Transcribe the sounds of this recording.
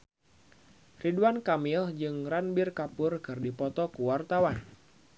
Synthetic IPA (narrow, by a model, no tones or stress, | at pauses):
riduankamild͡ʒɨŋranbɪrkapʊrkɨrdipɔt̪ɔkuwart̪awan